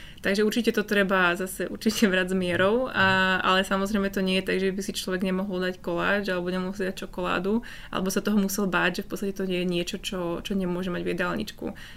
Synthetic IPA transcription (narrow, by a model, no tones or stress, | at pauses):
t̪aɡʒɛuɾt͡ʃicɛt̪ɔt̪ɾɛbazasɛʔṵɾt͡ʃicʰɛbɾazmɪɛɾɔʊaa̰lɛsamɔzɾɛɪmɛt̪ɔɲɪɛjɛt̪aɡʒɛbisit͡ʃlɔʋɛɡɲɛmɔɦɔld̪ackɔla̰ːd͡ʒalɛbɔɲɛmɔɦɔlˠs̬id̪ac̚t͡ʃɔkɔla̰ːd̪u | ʔa̰lʔɛ̰bɔsat̪ɔɦɔmusɛlbaːɟʒɛfpɔtt͡st̪acɛt̪ɔɲɛjɛɲɪɛt͡ʃɔt͡ʃɔt͡ʃɔɲɛmʊɔʒɛmaɟvʋɛ̰d̪alɲḭt͡ʃkṵ